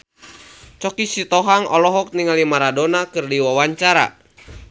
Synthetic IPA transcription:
t͡ʃɔkisit̪ɔɦaŋɔlɔɦɔk̚niŋalimaɾadonakɨrdiwawaɲt͡ʃaɾa̰

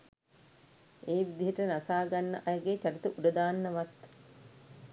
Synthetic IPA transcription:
ʔeːʋid̪iɦəʈənasaːɡanːə̰ʔajəɡet͡ʃaɾit̪əʔuɖəd̪aːnːəʋat̪

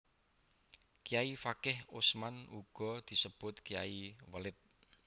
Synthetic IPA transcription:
kijaifakɪhʊsmanuɡ̥ɔ̤d̪̥i̤səb̥ʊt̪kija̰iwəlɪt̪̚

